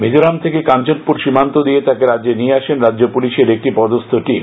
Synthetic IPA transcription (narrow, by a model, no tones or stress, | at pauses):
mid͡ʑoɾamt̪ʰekekant͡ɕoppuɾʃimant̪od̪ijet̪akeɾadd͡ʑenieaʃenɾadːd͡ʑopuliʃeɾek̚ʈipɔd̪ost̪ʰoʈim